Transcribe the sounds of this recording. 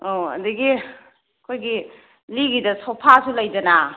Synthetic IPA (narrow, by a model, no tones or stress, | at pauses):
oɐ̰diɡi | kʰojɡi | liɡidɐsopʰasulɐjd͡ʒɐna